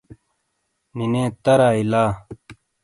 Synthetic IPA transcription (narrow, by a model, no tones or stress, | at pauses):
ninẽːt̪ɐɾaːilaː